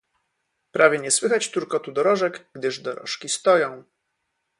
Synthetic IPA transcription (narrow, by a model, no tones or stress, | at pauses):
pɾavʲjɛɲɛswɘxat͡ɕt̪uɾkɔt̪ud̪ɔɾɔʐɛɡɡd̪ɘʐd̪ɔɾɔ̰ʂkʲist̪ɔjɔ̃w̃